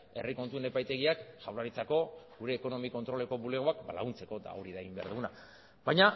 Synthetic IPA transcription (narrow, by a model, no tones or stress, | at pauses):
e̞riko̞nt̪uene̞pajt̪e̞ɣ̞iakʝawlaɾit͡sako̞ɡuɾe̞ːko̞no̞miko̞nt̪ɾo̞le̞ko̞βule̞ɣo̞akba̰la̰ɣunt͡se̞ko̞t̪a̰oɾiðaeɣimbe̞a̰ɾðuna | βajɲa